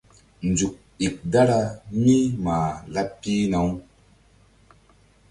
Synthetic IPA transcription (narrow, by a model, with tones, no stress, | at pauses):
nd͡zu˨k̚i˨k̚da˦ɾa˧mi˦maː˨la˦pːi˦na˨˦w